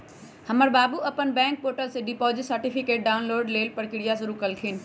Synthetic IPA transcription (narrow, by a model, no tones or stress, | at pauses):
hɐməɾbaːbuɐpənbɛ̃ːŋk̚poːʈəlseɖipɔːzɪʈsɐɾʈifɪkeːʈ̚ɖaːʊnloːɖleːlpɐɾkɪɽijasʊɾuːkɐlkʰiːn̆